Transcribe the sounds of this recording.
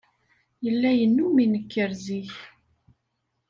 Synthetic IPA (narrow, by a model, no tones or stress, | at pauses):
jəlːæjənːuminəkːəɾziç